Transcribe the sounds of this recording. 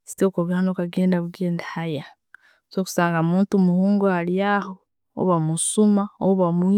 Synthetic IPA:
si̥toːkoβihanokaɡeːndaβuɡe̞ːndahaja | soːku̥saːŋɡamuːntumuhuːŋɡoaljaho̰ː | βamusumaoβamu

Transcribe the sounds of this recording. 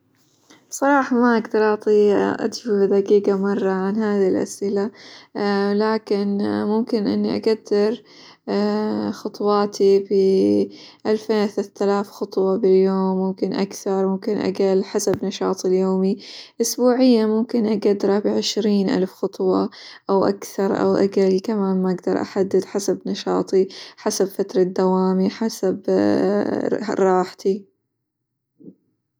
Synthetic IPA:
sˤɑɾˤɑːħɑmaʔaɡd̪ɑɾˤʔɑʕt̪ˤiːʔa̰d̪fibɪd̪aqiːɡamɑrˤːɑʕanhaːðilʔa̰sʔɪla | laːkɪnmʊmkɪnʔɪ̰nːiʔa̰ɡad̪ːɪɾ | xɑt̪ˤwɑːt̪ibɪ | ʔalfeːnθat̪alaːfxɑt̪ˤwɑbɪljoːmːʊmkɪnʔa̰kθɑɾˤmʊmkɪnʔa̰ɡalħasabnɑʃɑ̰ːt̪ˤɪljoːmiʔʊsbuːʕɪjːamʊmkɪnʔaɡad̪ɾˤɑbʕɪʃɾiːnʔa̰lfxɑt̪ˤwɑʔawʔa̰kθɑɾˤʔa̰wʔa̰ɡalkamaːnmaʔaɡd̪ɑɾˤʔa̰ħad̪ːɪd̪ħasabnɑʃɑ̰ːt̪ˤiħasabfat̪ɾˤɑd̪ːawaːmiħasab | ɾˤɑːħt̪i

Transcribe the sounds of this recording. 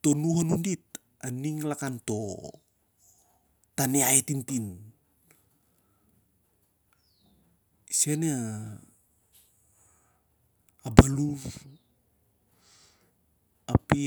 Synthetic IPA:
to̞nuɦanundit̚ | aniŋlakanto̞ | taneaetintin | sene | abalu | api

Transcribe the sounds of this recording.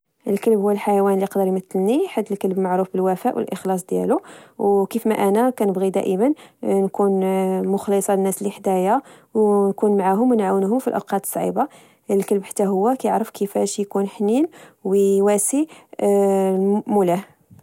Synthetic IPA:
ʔəlkəlbhʊwːəlħajwænliqd̪əɾmət̪ːəlniħad̪ːəlkəlbmaʕɾufbəlwæfæʔwə̰lʔəxlɑs̬ˤd̪jæ̰luwkifmæʔænækænəbɣid̪æ̰ʔəmənnkunmʊxlisˤɑənːæsliħd̪æjawnkunmaʕaɦʊmwənʕawənhʊmfilʔə̰wqɑt̪ə̥sˤʕḭba | əlkəlbħat̪ːæɦʊwːækæjəʕɾəfkʰəfæʃjkunħninwwæsi | mulæh

